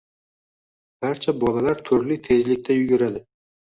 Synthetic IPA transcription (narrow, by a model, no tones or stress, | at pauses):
b̥aɾt͡ʃʰabɒlalaɾt̪ʰʊɾlɪt̪ʰe̞zlɪk̚ʲt̪ʰajʊɡʲʊɾad̪ɪ